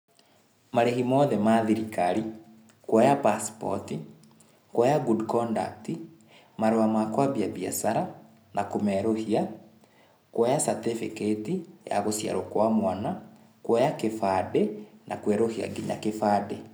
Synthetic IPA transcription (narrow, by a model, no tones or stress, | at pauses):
maɾehimɔðɛmaðiɾikaɾi | kwɔjapaspɔ̰ti | kwɔjaɡudkɔnda̰kti | maɾoamakwaβiaβia̰saɾa | nakomɛɾohia | kwɔjasatefiketija̰ɣosja̰ɾokwamwana | kwɔjakefadɛnʔa̰kwɛɾohia̰ɡina̰kefadɛ